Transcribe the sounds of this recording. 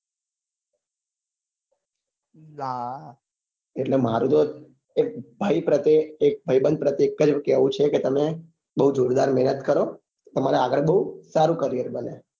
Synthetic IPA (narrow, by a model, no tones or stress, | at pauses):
la | eʈlemaɾũt̪o | ek̚bʱəjpɾət̪eek̚bʱəjbənd̪̚pɾət̪jekːəd͡ʒkeʋũt͡ʃʰeket̪əme | bəɦud͡ʒoɾd̪aɾmɛɦnət̪kəɾo | t̪əmaɾeaɡəɭbəɦusaɾũkəɾijəɾbəne